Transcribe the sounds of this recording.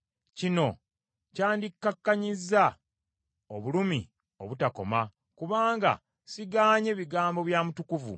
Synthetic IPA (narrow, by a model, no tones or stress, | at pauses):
cino̞ | caːndikːakːaɲizːa | oβulumi | o̞βutako̞̰ma | kuβaːŋɡa̰ | siɡaːɲe̞βiɡaːmbo̞βjaːmutukuvṵ